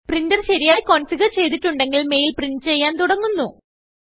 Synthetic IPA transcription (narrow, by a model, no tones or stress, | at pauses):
prindɐrɕɐɾijaːjkoːnfiɣɐrt͡ɕe̞jt̪̬iʈːuɳɖe̞ŋɡilme̞jilprinɖt͡ɕe̞jːaːnt̪uɽɐŋːunːu